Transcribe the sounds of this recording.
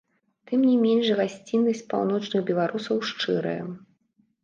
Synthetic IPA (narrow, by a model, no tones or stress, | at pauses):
t̪ɨmnʲimʲenʂɣasʲt͡sʲinːɐsʲt͡sʲpa̰wn̪ɔt͡ʂnɨɣbʲɛlˠaɾʔusɐwʂt͡ʂɨɾɐ̰jɛ̰